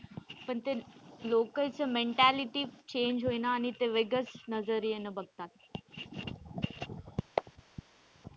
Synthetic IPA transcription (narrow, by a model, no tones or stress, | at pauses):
pənt̪eloːkəlt͡səmẽɳʈæliʈit͡ɕẽːnd͡ʑɦoːinaːnit̪eʋeɡəsnɐzəɾijenəbɐɡ̚t̪aːt̪